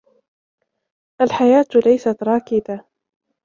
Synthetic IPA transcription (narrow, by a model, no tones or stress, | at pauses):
ʔalħajaːt̪lajsat̪ɾˤɑːkɪd̪a